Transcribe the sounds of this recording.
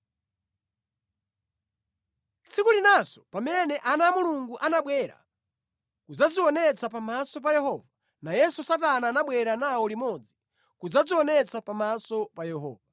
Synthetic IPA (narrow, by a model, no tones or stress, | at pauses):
sikulinasɔ̥pamɛnɛʔanamuluŋɡuʔanaɓwɛɾa̰ | kud͡zad͡ziwɔnɛt͡sʰapamasɔp̬ajɛɦɔva | najɛsusat̬anaːnaɓwɛɾanawɔlimɔd͡zi | kud͡zad͡ziwɔnɛt͡sapamasɔpajɛɦɔ̰ːva